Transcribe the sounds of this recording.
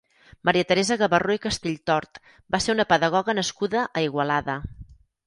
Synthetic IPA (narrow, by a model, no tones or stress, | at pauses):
məɾiət̪əɾezəɣəβəroikəst̪eʎt̪ɔɾt̪ | baseunəpəðəɣɔɣənəskuðəʔəiɣwəlaðə